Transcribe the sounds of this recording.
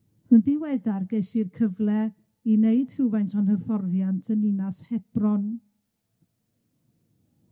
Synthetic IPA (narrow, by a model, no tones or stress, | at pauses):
həndiwɛðarɡeʃirkʰəvlˠɛ | ineɨd̥hɪwvajntʰɔnhərfɔrðjantʰənɪnashɛb̥rɔn